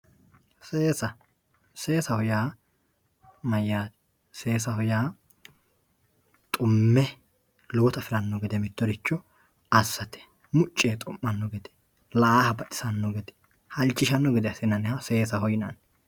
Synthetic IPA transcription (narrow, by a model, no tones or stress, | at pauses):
seːsɐ | se̞ːsɐhɔjaː | mɐjːaːt̪ɛ̥ | se̞ːsɐhɔjaː | t̪ʼʊmːɛ | lɔɔt̪ɐfɪɾɐnːɔɡɛd̪ɛmɪt̪ːɔɾɪt͡ʃːɔ | ɐsːɐt̪ɛ̥ | mʊt͡ʃʼːeːt̪ʼɔmːɐnːɔɡɛd̪ɛ̥ | lahɐbɐtɪ̥sɐnːɔɡɛd̪ɛ̥ | hɐlt͡ʃːɪʃɐnːɔɡɛd̪ɛɐsɪnɐnɛhɐse̞ːsɐhɔjnɐn